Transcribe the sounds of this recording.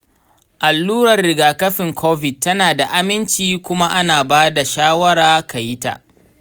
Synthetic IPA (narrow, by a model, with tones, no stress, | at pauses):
ʔa˨lːuː˦ɾɐ˨rːɪ˨ɡaː˨kɐ˦ɸɪ˨ŋkʰoː˦ɸɪ˨t̚tːɐ˦naː˨da˨ʔa˦mɪ˦nt͡ʃiː˨kʷʊ˦ma˦ʔa˦naː˨baː˦da˨ʃaː˦wɐ˦ɽaː˦kʰa˨jɪ˦ta̰˨ʔ